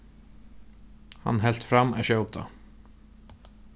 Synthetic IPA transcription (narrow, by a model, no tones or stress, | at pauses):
ha̰nɦɛl̥t̪fɾamæ̰ʃœːʊp̚d̪̥ɑ̰ː